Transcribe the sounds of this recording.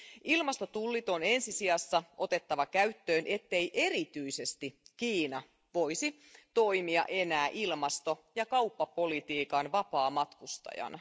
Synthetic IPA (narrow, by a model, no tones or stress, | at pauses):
ilmɑst̪o̞t̪ulːit̪o̞ne̞nsisiɑsːɑʔo̞t̪e̞t̪ːɑʋɑkæɥt̪ːø̞ːnʔe̞t̪ːe̞ijʔe̞ɾit̪yise̞st̪ikiːnɑ | ʋo̞jsi | t̪o̞ijmiɑ̰ʔe̞næːʔilmɑst̪o̞jɑkɑupːɑpo̞lit̪iːkɑnʋɑpɑːmɑt̪kust̪ɑ̰jɑ̰nɑ